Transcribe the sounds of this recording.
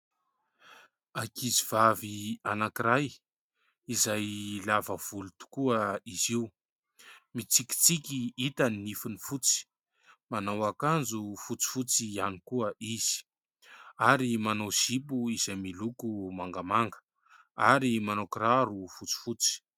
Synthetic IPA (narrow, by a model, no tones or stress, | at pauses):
akiziv̥avianakiɾaj | izajlavəv̥ulut̪u̥kuəiziu | mit͡siki̥t͡sikʲiit̪anːifinifut͡si̥ | manawakand͡zufut͡si̥fut͡sianikuəʔiz̥i̥ | aɾimanowz̥ipuizajmilukumaŋɡamaŋɡə̥ | aɾimanokɾaɾufut͡si̥fut͡si̥